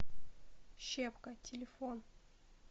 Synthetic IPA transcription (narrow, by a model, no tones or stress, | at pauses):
ɕepkətʲɪlʲɪfon